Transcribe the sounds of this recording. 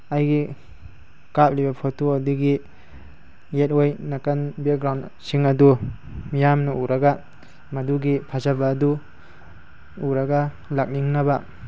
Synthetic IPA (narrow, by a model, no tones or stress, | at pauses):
ajɡi | kap̚libapʰotuaduɡi | et̚ojnakanbeɡɾawnsiŋɐdu | mijamnuuɾaɡa | mɐduɡipʰazabaːdu | uɾaɡa | lak̚niŋnaba